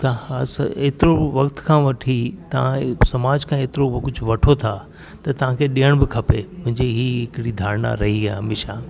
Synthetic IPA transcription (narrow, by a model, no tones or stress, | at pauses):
t̪ɐsɐeːt̪ɪɾoʋɐkt̪kʰãːʋɐʈʰit̪ɐʋ̤ãsɐmaːd͡ʑkʰãeːt̪ɪɾokʊd͡ʑʱʊʋɐʈʰot̪ʰa | t̪ɐt̪ɐʋ̤ãkʰeːɗijəɽ̃bɪkʰɐpemʊ̃ɪ̃ɲd͡ʑeɦiːɦɪkɪɽid̪ʱaːɾna̰ɾɐɦiaɦɐmeːʃaː